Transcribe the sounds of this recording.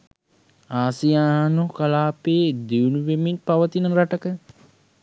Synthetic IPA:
aːsijaːɦanukalaːpeːd̪iunuʋemiɲpaʋət̪inəɾaʈəkə

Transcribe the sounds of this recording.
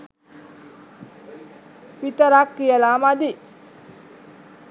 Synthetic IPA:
pit̪əɾakːijəlamad̪i

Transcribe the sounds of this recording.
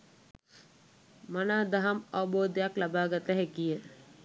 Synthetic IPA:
manaːd̪aɦamaʋəboːd̪əjaklabaːɡat̪əɦekijə

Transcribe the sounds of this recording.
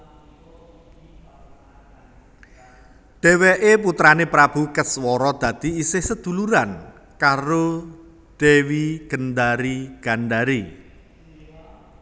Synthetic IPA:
d̪̥e̤weʔep̬ut̪ɾanepɾab̥ṳkəswɔɾɔd̪̥ä̤d̪̥i̤isɪhsəd̪̥ṳluɾan | kaɾo | d̪̥ewiɡ̥ə̤nd̪aɾiɡ̥a̤nd̪aɾi

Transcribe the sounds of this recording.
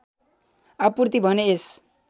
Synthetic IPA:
apurt̪ibʱʌnees

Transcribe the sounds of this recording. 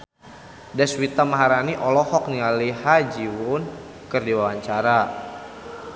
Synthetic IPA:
dɛswit̪amaɦaɾaniʔɔlɔhɔk̚nialihad͡ʒiwʊn | kərdiwawaɲt͡ʃaɾa

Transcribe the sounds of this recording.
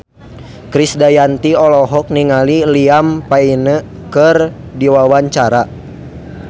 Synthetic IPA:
kɾisdajant̪iɔlɔɦɔk̚niŋaliliampainə | kər | diwawaɲt͡ʃaɾa

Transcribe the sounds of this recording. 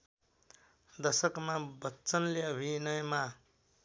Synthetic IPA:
d̪ʌsʌkmabʌtːt͡sʌnleʌbʱinʌjʌma

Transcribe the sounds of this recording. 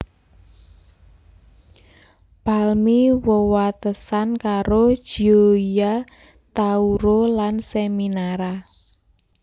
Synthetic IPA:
palmiwəwat̪əsankaɾod̥ʒ̥ioija | t̪auɾolanseminaɾa

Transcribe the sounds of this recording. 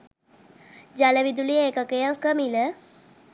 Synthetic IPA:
d͡ʒaləʋid̪ulijəːkəkəjaŋkəmilə

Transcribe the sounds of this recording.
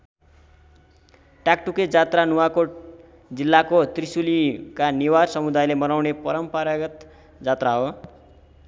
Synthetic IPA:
ʈak̚ʈuked͡zat̪ranuwakoʈ | d͡zilːakot̪risulikaniwarsʌmud̪ajlemʌnawnepʌɾʌmpʌɾaɡʌt̪ | d͡zat̪raɦo

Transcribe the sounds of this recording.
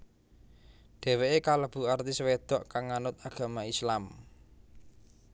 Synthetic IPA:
ɖ̥e̤weʔekaləb̥ṳart̪iswed̪̥ɔ̤ʔkaŋːanʊt̪̚aɡ̥a̤maislam

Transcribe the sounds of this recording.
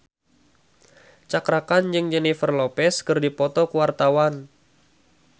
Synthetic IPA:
t͡ʃakɾakand͡ʒɨŋd͡ʒɛnifərlɔpɛskɨrdipɔt̪ɔkəwart̪awan

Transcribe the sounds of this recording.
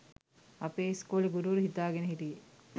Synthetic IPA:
ɐpeːskoːleɡuɾuʋɐɾuɦit̪aːɡeneɦit̪ije

